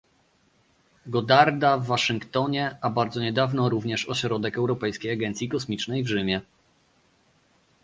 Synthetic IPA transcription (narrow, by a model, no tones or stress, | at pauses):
ɡɔd̪aɾd̪avːaʂɘŋkt̪ɔɲɛabaɾd̪zɔɲɛd̪avnɔɾuvɲɛʂɔɕɾɔd̪ɛkɛwɾɔpɛjskʲejaɡɛnt̪sʲjikɔsmʲit͡ʂnɛjvʐɘmʲjɛ